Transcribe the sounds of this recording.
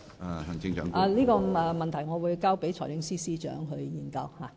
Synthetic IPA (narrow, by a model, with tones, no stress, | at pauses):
a˨hɐ˨˩ŋt͡sɪ˧ŋt͡ʃœ̰ː˨˧˥ŋa˨˧liː˥kɔː˧ɛː˨˧mɐ˨nt̪ʰɐ˨˩jŋɔː˨˧wuː˨˧jkaː˥wpe˨˥jt͡ʃʰɔː˨˩jlɪ˧˥ŋsiː˥siː˥t͡ʃœ̰ː˨˥ŋɦɵ˧ɥjiː˨nkɐ˧whaː˨